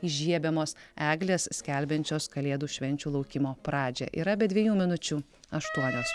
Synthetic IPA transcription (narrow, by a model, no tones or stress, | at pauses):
iʒʲiɛbʲɛmoːsæːɡlʲeːssʲkʲɛlʲbʲɛnʲt͡ʃʲoːskɐlʲeːd̪uːʃʲʋʲɛnʲt͡ʃʲuːlˠɒʊkʲɪmoːpɾɑːd͡ʒʲɛ̰ːʔḭːɾɐbʲɛd̪ʲʋʲiɛjuːmʲɪnʊt͡ʃʲuː | ɐʃt̪uɔnʲoːs